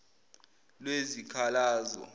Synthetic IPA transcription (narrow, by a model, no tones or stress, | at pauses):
lwezikʰalaːzɔ̰